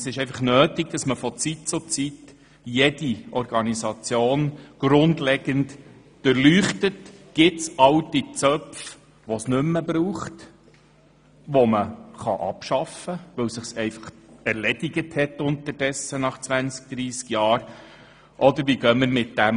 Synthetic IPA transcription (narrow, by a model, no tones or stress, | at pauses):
sɪʃɛɪfɑχnøːtiɡ̥̚d̥̪ɑsməfɔt͡sit̚t͡sʊt͡sit | jɛdiɔɾɡ̥ɑnisɑt͡sjoːnɡ̥ɾʊndlɛɡ̥ənt | d̥əɾlyːχtətɡ̥ɪtsɑwtit͡sœpf | ʋɔsnʏmːəbɾuːχt | ʋɔməχɑʔɑ̰pʃɑfəʋɵwsɪχsɛɪfɑ̥χæɾlɛdiɡəthɛtʊntəɾd̥ɛsənɑχt͡sʋænt͡sk̚d̪̥ɾiːskjɑːɾ | ʔɔd̪əɾʋiɡœməɾmɪt̚d̥æm